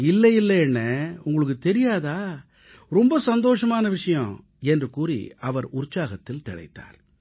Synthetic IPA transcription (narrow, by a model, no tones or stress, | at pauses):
ɪlːɐjɪlːɐɛnːɐʊŋɡɐɭɯk̬ːɯt̪ɛɾɪjaːðaː | ɾɔmbɐsɐnd̪oːʂɐmaːnɐʋɪʂɐjɐ̃ | ɛndrɯkuːrḭʔɐʋɐɾʊɾt͡ʃːaːɣɐt̪ːɪlt̪ɪɽɐ̰ɪt̪ːa̰ːɾ